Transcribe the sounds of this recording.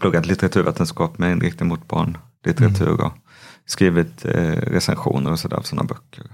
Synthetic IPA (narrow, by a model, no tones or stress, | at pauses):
p̪ʰɵɡːad̪lɪt̪ɛɾat̪ʰʉɾveːt̪ənskɑːpmɛɪnɾɪk̚t̪ɪd̪mʊt̪̚bɑ̰ːɳ | lɪt̪ɛɾat̪ʰʉ̟̰ːɾɔ̰ | skɾiːvɪt̪ɾɛsɛnɧṵːnəɾɔsɔd̪æ̰ːɾ̰fsɔnːa̰bœkʰːəɾ